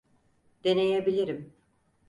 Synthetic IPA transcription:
d̪̥e̞nejebilʲiɾim

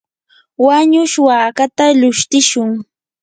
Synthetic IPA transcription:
waɲʊʃwaːkat̪alʊʃt̪ɪʃʊŋ

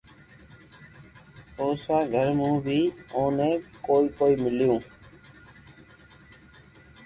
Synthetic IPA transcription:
oːsãːɡʱəɾmũːbʱiːõːnẽːkoːiːkoːiːmɪljõː

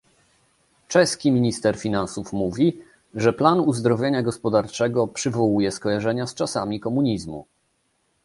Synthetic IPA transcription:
t͡ʂɛskʲimʲiɲist̪ɛɾfʲinansufmuvʲi | ʐɛplanuzd̪ɾɔvʲjeɲaɡɔspɔd̪aɾt͡ʂɛɡɔpʂɘvɔwujɛskɔjaʐɛɲast͡ʂasamʲikɔmuɲizmṵ

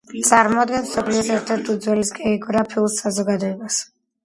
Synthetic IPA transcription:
t̪sʼaɾmɔd̪ɡɛnsɔpʰliɔsɛɾt̪ʰɛɾt̪ʰud̪zwɛlisɡʼɛɔɡɾapʰiulˠsazɔɡad̪ɔɛbas

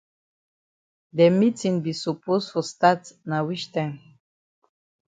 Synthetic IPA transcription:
dɛmitĩŋbisupostfɔstatnawit͡ʃtãɪ̃m

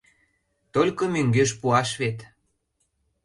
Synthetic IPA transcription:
t̪olʲkomøŋɡøʃpuɑʃβet̪

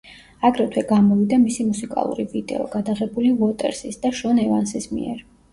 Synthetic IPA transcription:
aɡɾɛt̪ʰwɛɡamɔvid̪amisimusikʼa̰lˠṵɾivid̪ɛ̰ɔɡ̥ad̪aʁɛbulivɔt̪ʼɛ̰ɾsisd̪aʃɔnɛvansismḭɛ̰ɾ

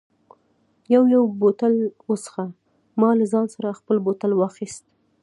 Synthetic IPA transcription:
jawjawbot̪alwosə̥xa | mɑlazɑnsaɾaxpəlbot̪alwɑxist̪̚

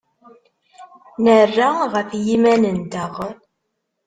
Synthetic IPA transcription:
nərːaʁəfjimænənd̪əʁ

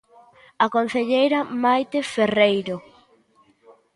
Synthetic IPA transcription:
akon̟θeʎejɾamajt̪eferejɾo

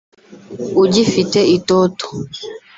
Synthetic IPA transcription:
ud͡ʒifitɛitɔtɔ̥

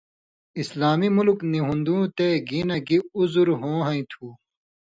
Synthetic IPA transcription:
islaːmimulkniɦũnd̪ũːt̪eɡiːnɐɡiuzuɾɦõːɦɐ̃ĩt̪ʰuː

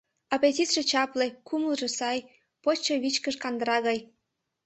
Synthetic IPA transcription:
ɑpet̪ʲit̪ʃet͡ɕɑplekʰuməlʒesɑj | pot͡ɕːeβit͡ɕkəʃkɑnd̪əɾɑɣɑj

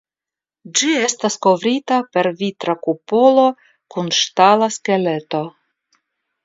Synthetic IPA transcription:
d͡ʒie̞stasko̞vɾitape̞ɾvitɾakupo̞lo̞ | kunʃtalaske̞le̞to̞

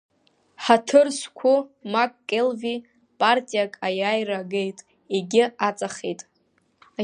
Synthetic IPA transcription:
ħatʰɨrskʷʰʊmakʼːelvi | pʼartʼijakʼajajraɡejtʼ | eɡʲɪat͡sʼaχejtʼ

